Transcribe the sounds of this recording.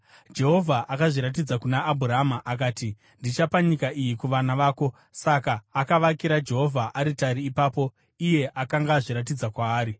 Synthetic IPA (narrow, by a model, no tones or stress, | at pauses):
d͡ʒe̞ɦo̞vʱaʔakaʐiɾat̬id͡zakunaːbʱuraamaʔak̬aːti | ndit͡ʃapaɲikaijikuʋanaʋaːko̞ | sakaːkaʋakiɾad͡ʒe̞ɦo̞vʱaʔaɾitaɾiːpaːpo̞ | ije̞ʔakaŋɡaʐiɾat̬id͡zakwaːɾi